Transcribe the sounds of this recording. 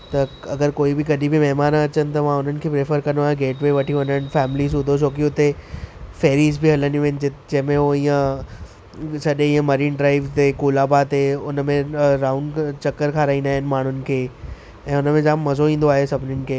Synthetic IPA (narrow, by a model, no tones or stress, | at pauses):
t̪ɐɐɡəɾkoːibɪɡɐɗibɪmɛɦmaːnɐt͡ɕənɪ̆t̪ɐmãʊn̤ənɪ̆kʰeːpɾeːfəɾkɐ̃noaːɦẽɡeːʈʋeːʋɐʈʰiʋɐ̃nənɪ̆fɛːmɪlizʊd̪ʱot͡ɕoːkiʊt̪efeːɾiːzbʱiɦɐləniʋə̃ɦɪnɪ̆d͡ʑɪd͡ʑɐ̃ɦmẽɦoĩːə̃ | sɐɗẽĩːə̃mɐɾiːnɖɾaːɪʋt̪eːkoːlaːbat̪eːʊnmẽɾaːʊɳɖt͡ɕɐkːəɾkʰaːɾaːiːnd̪aːɦɪnɪ̆maːɳ̤ʊnɪ̆kʰeː | ɛ̃ːʊnəmẽd͡ʑaːmːɐzoĩːn̆d̪oaːɦesɐbʱɪnɪnɪ̆kʰeː